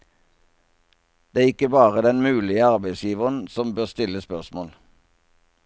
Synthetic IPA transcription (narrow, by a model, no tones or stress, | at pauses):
d̪̥eːæːɪkəbɑːʁəd̪ɛnmʉːlɪəɑʁbæɪsjiːʋəʁənsɔmbøːʁst̪ɪləspœʁsmoːl